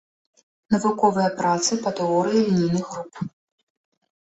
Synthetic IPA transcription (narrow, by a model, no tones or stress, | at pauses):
nɐvukɔvɨjɐpɾat̪sɨpɐt̪ɛɔɾɨjilʲinʲijnɨɣɣɾup